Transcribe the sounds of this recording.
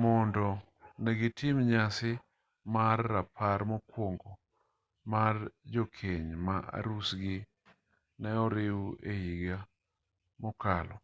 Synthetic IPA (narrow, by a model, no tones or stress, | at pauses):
mɔndɔ | nɛɡɪtɪmɲasɪ | marːapʰaɾmɔkwoŋɡo | mard͡ʒokʰeɲmaʔa̰ɾusɡɪ | nɛɔɾɪwejiɡa | mɔkalɔ